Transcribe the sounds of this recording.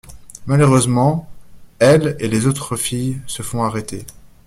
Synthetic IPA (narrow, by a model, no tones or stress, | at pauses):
maløʁøzmɑ̃ | ɛlelezot̪χəfijsəfɔ̃aʁet̪e